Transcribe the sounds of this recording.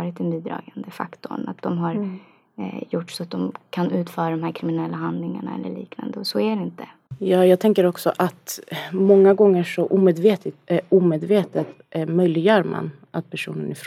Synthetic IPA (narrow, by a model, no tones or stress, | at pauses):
ɾɪt̪ɛnbiːd̪ɾɑ̰ːɡand̪əfa̰kt̪ʊ̰ɳa̰t̪̚d̪ɔmɦaɾ | jʊʈːsɔat̪̚d̪ɔmkʰanʉ̟ːt̪fœːɾad̪ɔmɦæːɾkʰɾɪmɪnɛlːaɦand̪lɪŋaɳaɛ̰lːə̰ɭḭːkna̰nd̪əɔsɔæɖɛɪnt̪ə | jɑːjɑːɡ̚t̪ʰɛŋkəɾɔksɔ̰ʔat̪mɔŋːaɡɔŋːəʂɔʔuːmeːd̪veːt̪ʰɪt̪uːmeːd̪veːt̪ət̪ | mœjlɪɡjœːɾma̰n | ʔat̪̚pʰæʂṵːnənɪfɾ